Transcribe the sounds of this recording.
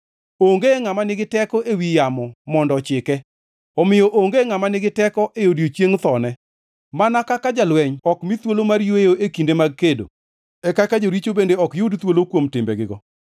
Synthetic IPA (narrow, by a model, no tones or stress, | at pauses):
oŋɡeŋamanɪɡɪtɛkɔʔewijamɔmɔndɔt͡ʃɪkɛ | ɔmɪjɔʔoŋɡeŋamanɪɡɪtɛkɔʔejodjot͡ʃjeŋt̪ɔnɛ | manakakad͡ʒalwɛɲɔkmit̪wolomaɾjejoʔekindemaɡ̚kedo̰ | ɛkakad͡ʒoɾit͡ʃobendeɔkjʊdt̪wolokwomtɪmbɛɡɪ̰ɡɔ̰